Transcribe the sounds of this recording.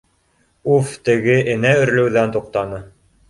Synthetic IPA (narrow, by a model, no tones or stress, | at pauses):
uft̪ɘ̆ɡɘʔɘ̆næɵ̆ɾlɘ̆wðænt̪uq̚t̪ɑnɤ